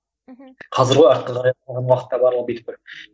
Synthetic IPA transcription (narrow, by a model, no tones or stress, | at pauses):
qʰɑzəɾʁoɑɾt̪̚qəʁɑɾɑj̪ˠʁɑnwɑqə̥t̪ːɑbɑɾlˠəʁ̚bet̪k̚ɪ